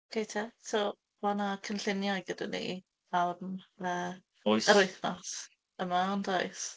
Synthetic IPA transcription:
kʰejtʰɛso | wanakʰənɬɪnjajɡədənḭ | aməː | ojəɾʊjθnas | əmaandojs

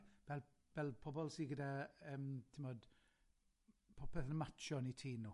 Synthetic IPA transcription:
v̥ɛl | v̥ɛlˠpʰɔbɔlˠsiːɡədaəːmtʰɪmɔd̥ | pʰɔpʰɛθənəmat͡ʃʰɔnitʰiːnu

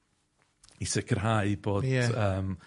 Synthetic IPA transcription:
isɪkʰərɦaɨb̥oːjdɛəːm

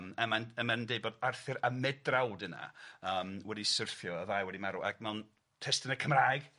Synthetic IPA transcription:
məmanəmandejbɔdarθɪɾamɛdrawdɨna̰əːmwɛdisɪrθjɔəvajwɛdimaɾuʔa̰ɡmɛwn | tʰɛstənəkʰəmraːjɡ̥

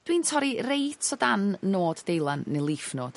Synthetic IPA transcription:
d̥wiːntʰɔɾirejtʰɔdanːoːdːejlˠanːelˠifnoːd̥

